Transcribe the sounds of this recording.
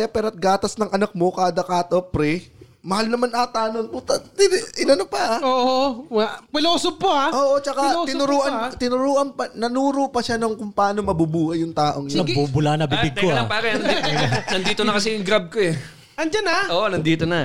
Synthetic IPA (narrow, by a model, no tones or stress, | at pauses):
japɛːɾoʔɐt̪̚ɡaːt̪ɐsnɐŋʔɐnɐk̚mo̞kaːd̪ɐkaːt̪opɾɛ | mɐhalnɐmanʔaːt̪aːnont̪ʊt̪ɐt̪ɪʔɪnɐnopɐoːʔ | pɪloːsob̚poaʔoːʔot͡ʃɐkat̪ɪʊɾuːʔɐnt̪ɪnʊɾuːʔɐnpɐnɐnuːɾopɐʃanɐŋkʊmpaːno̞mɐbubuːhɐjʊŋt̪aːʔo̞ŋjɐbubʊlanɐbɪbɪɡ̪̚koɐpakɐnɐiɐnd̪iːt̪onɐkɐsɛjʊŋɡɾab̚koɛ | ʔɐnd͡ʒanaʔoːʔonɐnd̪iːt̪onɐ